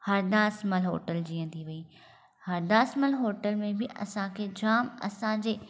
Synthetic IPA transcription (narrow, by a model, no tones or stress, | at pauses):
hɐɾd̪aːsməlɦo̰ːʈəld͡ʑiːə̃t̪ʰiʋɐi | hɐɾd̪aːsməlɦoːʈəlmẽbɪʔɐ̰sãkʰeːd͡ʑaːmɐ̰sãd͡ʑeː